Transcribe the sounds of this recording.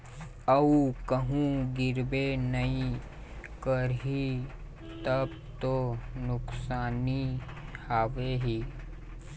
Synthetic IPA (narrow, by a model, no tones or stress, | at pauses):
əukəɦũɡɪɾbenəĩ | kəɾɦi | t̪əb | t̪onʊksaːni | haːʋeɦiː